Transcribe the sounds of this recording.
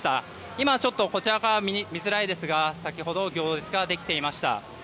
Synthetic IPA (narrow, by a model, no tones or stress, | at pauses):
t̪a | imat͡ɕo̞t̪ːo̞ko̞t͡ɕiɾakaɾaimʲizɨɾaid̪e̞sɨɡasakʲiɦo̞d̪o̞ɡʲo̞ːʑɨt͡sɨ̥ɡad̪e̞kʲt̪e̞imaɕi̥t̪a̰